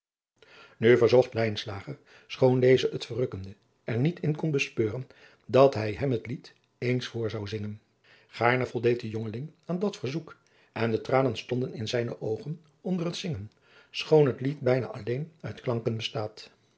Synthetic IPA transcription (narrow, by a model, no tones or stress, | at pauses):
nyvəɹzɔχtlɛjnslaːχəɹ | sχowndejzəətfərɵkəndə | ɛɹnitʰɪnkɔnbəspøːrən | dɑtɦɛjɦɛmɦətlit | ejnsfʊːɹzɑwzɪŋən | χaːɹnəvɔlˠdejt̚dəjɔŋəlɪŋaːndɑtfəɹzuk | ʔɛndətraːnənstɔndənɪnzɛjnəʔowχən | ɔndərətsɪŋən | sχownɦətlitbɛjna̰ːʔɑlejnœɥtklɑŋkənbəstaːt